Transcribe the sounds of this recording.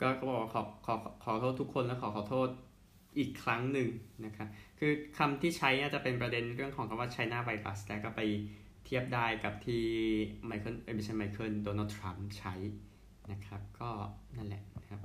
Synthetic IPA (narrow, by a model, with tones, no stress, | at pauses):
kɔː˥˩kɔː˥˩bɔː˨˩kwa˥˩kʰːkʰɔː˩˦kʰɔː˩˦t̪ʰoː˥˩t̪ʰːu˦˥kʰːo˧nlɛ˦˥kʰɔː˩˦kʰɔː˨˩˦t̪ʰoː˥˩t̪̚ | ʔiː˨˩kʰːɾa˦˥ŋnɯ˨ŋna˦˥kʰa˦˥p̚kʰɯː˧kʰa˧mt̪ʰiː˥˩t͡ɕʰa˦˥jnaː˥˩t͡ɕa˨˩pe˧npɾa˧de˧nɾɯ˥˩əŋkʰɔː˨˩˦ŋkʰa˧mwaː˥˩t̪̚t͡ɕʰa˦˥jnaː˥˩wa˧jk̪la̰˦˥slɛː˦˩kɔː˥˩pa˧j | t̪ʰiː˥˩əp̚daː˥˩jka˨˩p̚t̪ʰiː˥˩ma˧˩jkʰɤː˧˥˩nʔeː˧˩bi˧˩t͡ɕʰa˧nma˧˩kʰɤː˧˥˩ndoː˧naː˥˩t̪ʰɾa˦˥mt͡ɕʰa˦˥j | na˦˥kʰa˦˥p̚kɔː˥˩na˥˩nlɛ̰˨˩ʔn˦kʰa˦˥p̚